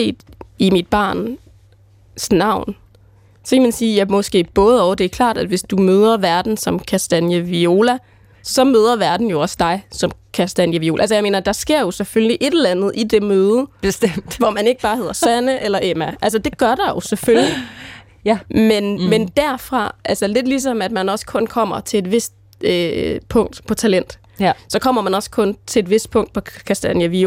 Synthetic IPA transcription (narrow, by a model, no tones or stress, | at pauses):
e̝̰ːd̥imid̥b̥ɑ̈ːn | snɑ̈ʊ̰n | sɒ̽kʰæmænsiːjɑmɒ̽sɡ̥e̝̰ːb̥ɔ̽ːð̞̩ˠɒʊd̥e̝æɐkʰlɑ̰̈ːd̥æd̥ʋe̝sd̥umøːð̞ˠɐʋæɐd̥n̩sɒ̽mkʰæsd̥ænjəʋio̝ːlæ | sɒ̽møːð̞ˠɐʋæɐd̥n̩jo̝ɒ̽sd̥ɑ̈ɪsɒ̽mkʰæsd̥ænjəʋio̝ːlʔælsəjɪme̝̰ːnɐd̥ɑ̈sɡ̥e̝ɐ̰jo̝sefølliʔe̝d̥elænð̞̩ˠʔid̥e̝møːð̩̥ˠsʋɒmæne̝ɡ̥əb̥ɑ̈ːɦe̝ðˠɐsænəʔelɐʔemæʔæls̬ɐd̥e̝ɡ̥ɶɐɾ̥ɑ̈jo̝sefølli | menmend̥æɐ̰fʁɑ̈ʔælsɐle̝d̥lis̬ɒ̽mæd̥mænɒ̽sə̥kʰɔ̽nkʰɒ̽m̰ɐt͡sʰe̝e̝d̥ʋe̝sd̥ | øpʰɔ̽ŋ̰d̥pʰɒ̽t͡sʰælen̰d̥ | sɒ̽kʰɒ̽m̰ɐmænɒ̽skʰɔ̽nt͡sʰe̝edʋe̝sd̥̚pʰɔ̽ŋ̰d̥̚pʰɒ̽kʰæsd̥ænjæʋio